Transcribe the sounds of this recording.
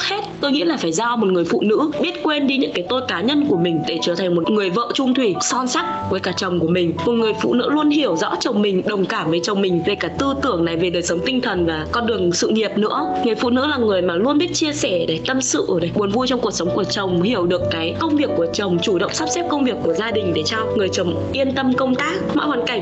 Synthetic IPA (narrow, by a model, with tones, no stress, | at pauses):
he˦˥t̚t̪o˧jŋḭ˧˥laː˨˩faː˧˩jzaː˧mo˨˩t̚ŋɨ˨˩əjfṵ˧˨nɨ̰˧˥ɓi˦˥ət̚kwe˧nɗi˧˦ɲɨ̰˧˥ŋkaː˨˦jt̪o˧jkaː˨˦ɲə˧nku˧˩əmï˨˩ŋ̟ɗe˧˩t͡ɕəː˧˩t̪ʰa˨˩ŋ̟mo˨˩t̚ŋɨ˨˩əjvə̰ː˧˨t͡ɕʊ˧ŋ͡mt̪ʰwi˧˩sɔ˧nsa˦˥k̚vəː˨˦jkaː˧˩t͡ɕə˨˩wŋ͡mku˧˩əmï˨˩ŋ̟mo˨˩t̚ŋɨ˨˩əjfṵ˧˨nɨ̰˧˥lu˧ənɦi˧˩əwzɔ̰˧˥t͡ɕə˨˩wŋ͡mmï˨˩ŋ̟ɗə˨˩wŋ͡mkaː˧˩mvəː˨˦jt͡ɕə˨˩wŋ͡mmï˨˩ŋ̟ve˨˩kaː˧˩t̪ɨ˧t̪ɨ˧˩əŋna˨˩jve˨˩ɗəː˨˩jsə˨˦wŋ͡mt̪ï˧ŋ̟t̪ʰə˨˩nvaː˨˩kɔ˧nɗɨ˨˩əŋsɨ̰˧˨ŋi˨˩əp̚nɨ̰˧˥əŋɨ˨˩əjfṵ˧˨nɨ̰˧˥laː˨˩ŋɨ˨˩əjmaː˨˩lu˧ənɓi˦˥ət̚t͡ɕi˧əsɛ˧˩ɗe˧˩t̪ə˧msɨ̰˧˨ɗe˧˩ɓu˨˦nvu˧jt͡ɕɔ˧ŋ͡mku˨˩əksə˨˦wŋ͡mku˧˩ət͡ɕə˨˩wŋ͡mhi˧˩əwɗɨ˨˩əkːaː˨˦jkə˧wŋ͡mvi˨˩əkːu˧˩ət͡ɕə˨˩wŋ͡mt͡ɕu˧˩ɗə̰˧˨wŋ͡msa˦˥p̚sɛ˦˥p̚kə˧wŋ͡mvi˨˩əkːu˧˩əzaː˧ɗï˨˩ŋ̟ɗe˧˩t͡ɕɔ˧wŋɨ˨˩əjt͡ɕə˨˩wŋ͡m | ʔi˧ənt̪ə˧mkə˧wŋ͡mt̪aː˦˥k̚mɔ̰˧˥waː˨˦nka˧˩ŋ̟